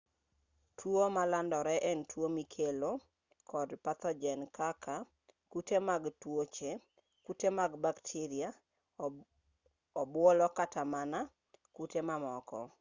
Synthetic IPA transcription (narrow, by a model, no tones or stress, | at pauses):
tʰwomalandɔɾɛʔɛntwomikʰelo | kʰɔdpat̪ɔd͡ʒɛnkʰaka | kutemaɡtwot͡ʃe | kutemaɡbaktʰiɾɪa | ɔbwɔlɔkatamana | kutemamɔkɔ̰